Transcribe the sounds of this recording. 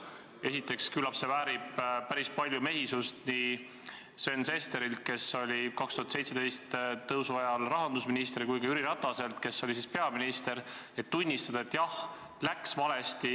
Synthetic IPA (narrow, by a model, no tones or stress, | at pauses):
e̞sit̪ːˑe̞kskylɑpse̞væːɾib̥pæɾispɑlʲjume̞ɦisust̪ni | se̞nse̞st̪e̞ɾilt̪̚ke̞so̞lʲikɑkst̪uhɑt̪se̞jt̪se̞d̪̥e̞jst̪t̪ɤwsuɑjɑlrɑɦɑnd̪usminist̪eɾikujkɑyɾiɾɑt̪ːˑɑse̞lt̪ke̞sːo̞lʲis̬ispe̞ɑminist̪e̞ɾ | e̞t̪ːunʲːist̪ɑd̪ɑet̪ːjɑh | læksvɑle̞st̪i